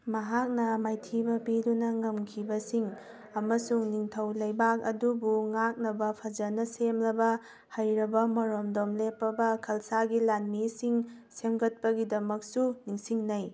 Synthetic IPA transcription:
mɐɦak̚nɐmajtʰibɐbidunɐŋɐmkʰibɐsiŋ | ɐmɐsuŋniŋtʰɐwlɐjbak̚ɐdubuŋak̚nɐbɐpʰɐd͡ʒɐnɐsemlɐbɐ | hɐjɾɐbɐmɐɾomdomlepːɐbɐkʰɐlsaɡilanmisiŋsemɡɐt̚pɐɡidɐmɐk̚suniŋsiŋnɐj

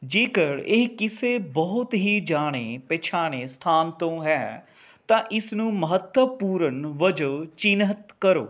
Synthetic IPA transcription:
d͡ʒeːkəɽeːkɪseːbəɦʊt̪ɦiːd͡ʒaːɽ̃eːpɛːt͡ʃʰaːɽ̃eːst̪ʰaːnt̪õːɦɛː | t̪ãːʔɪsnũːməɦət̪wəpuːɾənʋəd͡ʒəʋt͡ʃɪnət̪kəɾo̰ː

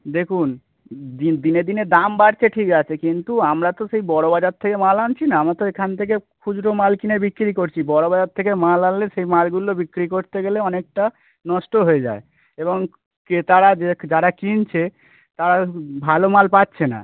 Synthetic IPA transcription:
d̪ekʰun | d̪id̪ined̪ined̪ambaɾt͡ɕʰeʈʰikat͡ɕʰekint̪uamɾat̪oʃejbɔɽobad͡ʑaɾt̪ʰːekemalant͡ɕʰinaamɾat̪oekʰant̪ʰek̬ekʰud͡ʑɾomalkinebikːɾikoɾt͡ɕʰibɔɽobad͡ʑaɾt̪ʰekemalalleʃejmalɡulobikɾikoɾt̪eɡeleɔnek̚ʈa | nɔʃʈoɦoed͡ʑa̰e | eβoŋ | ket̪aɾad͡ʑed͡ʑaɾakint͡ɕʰe | t̪aɾabʱalomalpatːɕʰena̰

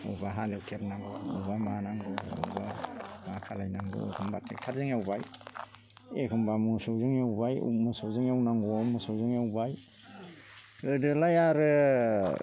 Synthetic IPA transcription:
ɯ̰baɦalewtʰeɾnaŋɡɯṵbamanaŋɡɯuṵba̰akʰalajnaŋɡɯ̰ḛkʰɯmbatʰektʰaɾzɯŋawbaj | ekʰɯmbamusowzɯŋewbajṵmɯsowzɯŋawnaŋɡɔmɯsowzɯŋawbaj | ɯdɯlajaɾɯ

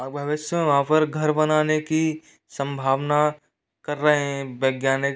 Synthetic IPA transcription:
bʱjɐʋɪʃjəmẽʋɐɦãːpɐɾɡʱɐɾbɐnaːneki | sɐ̃mbʱaːʋna | kɐɾːɐɦeɦɛ̃bjɐɡjaːnɪk

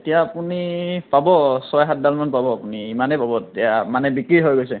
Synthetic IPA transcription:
etijaːpunipabɔsɔjɦat̚dalmanpabɔapuniːmanejpabɔetijamanɛbikɹiɦojɡojsɛ

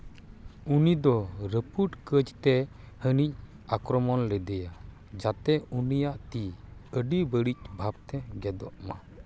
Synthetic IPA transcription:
unid̪ɔɾəpuʈkəd͡ʒt̪ɛ | hənic̚ | akɾɔmɔnlɛd̪ɛja | d͡ʒat̪ɛunijaʔt̪iəɖibəɽic̚bʱab̚t̪ɛɡɛd̪ɔʔma

